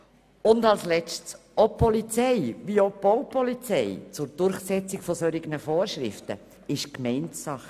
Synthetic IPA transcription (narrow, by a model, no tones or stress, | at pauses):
ʊndɑlslɛt͡sts | opʰɔlit͡sɛɪʋiob̥owpɔlit͡sɛɪt͡sʊɾd̥ʊɾχsɛt͡sɪkfɔsɔɾɪɡənəfoːɾʃɾɪ̰ftə̰ | ɪʃkmɛɪntsɑχ